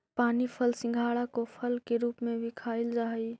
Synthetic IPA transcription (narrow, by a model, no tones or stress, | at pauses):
paːnipʰəlsɪ̃ŋɡʱaːɽakopʰəlkeɾuːpmẽbʱikʰaːɪld͡ʒaːɦi